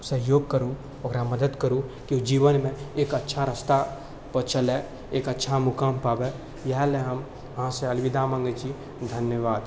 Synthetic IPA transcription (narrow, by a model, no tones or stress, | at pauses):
səɦjoːɡ̚kəɾu | ɐɡɾaməd̪əd̪kəɾũkiud͡ʒiːʋənmẽeːkɐtːʃʰaɾəst̪a | pət͡ʃəle | eːkɐtːʃʰamʊkaːmpaːbe | jɐɦleɦɐm | ɦãseɐlʋɪd̪aːmə̃ŋɡəd͡ʒi | d̪ʱɐnjəʋaːd̪